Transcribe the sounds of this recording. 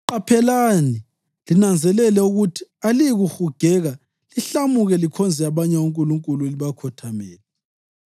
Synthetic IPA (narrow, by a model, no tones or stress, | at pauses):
ǃapʰɛlani | linand͡zʱɛlɛlɛuɣutʰi̥aliɣuxuɡ̥ʱɛːɣa | liɬamuɣɛlikʰɔnd͡zʱɛaβaɲɛwuŋkʼuluŋkʼulueliβakʰɔtʰamɛːlɛ